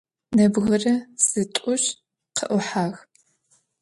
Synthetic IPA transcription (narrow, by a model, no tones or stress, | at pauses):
nɐbɣɐrɐz̥ɨtʷʼʊɕ | qʰəʔʷʊħaːɣ